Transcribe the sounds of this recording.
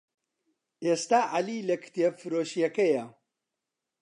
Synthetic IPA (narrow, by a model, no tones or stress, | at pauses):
eːst̪aːʔaliːlɐkʰɨ̥t̪jefɨɾoːʃjɐkɐjɐ